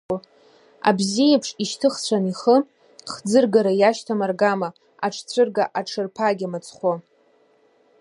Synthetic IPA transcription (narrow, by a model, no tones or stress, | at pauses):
a̰bzijepʰʂiʃtʰɨχt͡ɕʷʰaniχə | χd͡zɨrɡaɾajaʃtʰamarɡama | aʈ͡ʂʰt͡sʷʰɨrɡaʔaʈ͡ʂʰɨrpʰaɡʲamat͡sʰʼχʷo